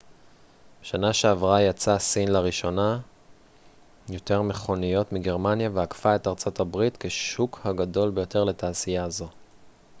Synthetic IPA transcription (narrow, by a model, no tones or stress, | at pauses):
beʃanaʃeavʁajat͡sasinlaʁiʃo̞na | jo̞te̞ʁme̞χo̞nijo̞tmiɡe̞ʁmanjaveakfae̞taʁt͡so̞thabʁitke̞ʃukhaɡado̞lbe̞jo̞te̞ʁle̞taːsijazo̞